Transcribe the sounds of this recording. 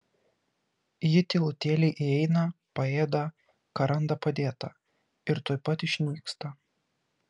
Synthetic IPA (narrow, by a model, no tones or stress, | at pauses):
jɪt̪ʲɪːlˠʊt̪ʲeːlʲɛɪʔɪɛɪnɐpɐeːd̪ɐ | kɐɾɐnd̪ɐpɐd̪ʲeːt̪ɐ | ɪɾt̪oːɪpɐt̪ɪʃʲnʲiːkst̪ɐ